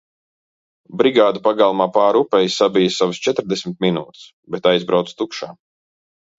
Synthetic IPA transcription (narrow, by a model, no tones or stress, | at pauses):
bɾiɡaːd̪upaɡalˠmaːpaːɾupɛjssabijəsavəst͡ʃɛt̪ɾd̪esʲmɪt̪minuːt̪ɨ̥s | bɛt̪ajzbɾawt̪st̪ukʃaː